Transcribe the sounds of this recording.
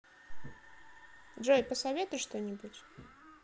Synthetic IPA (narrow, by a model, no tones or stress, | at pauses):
dʐojpəsɐvʲet̪ʊjʂt̪onʲɪbutʲ